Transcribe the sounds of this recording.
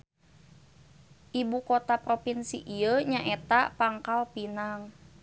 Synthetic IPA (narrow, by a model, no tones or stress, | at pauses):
ʔibukot̪apɾopinsḭʔiəɲaʔet̪apaŋkalpinaŋ